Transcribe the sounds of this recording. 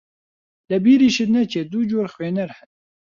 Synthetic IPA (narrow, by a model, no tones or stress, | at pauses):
lɛbiːɾiːʃɪd̪nɛt͡ʃʰed̪ud͡ʒoːɾxweːnɛɾhɛn